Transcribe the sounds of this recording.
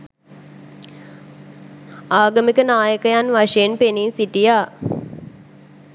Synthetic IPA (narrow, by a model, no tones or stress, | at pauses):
aːɡɐmikənaːjəkəjanʋaʂejenpeniːnsiʈijaː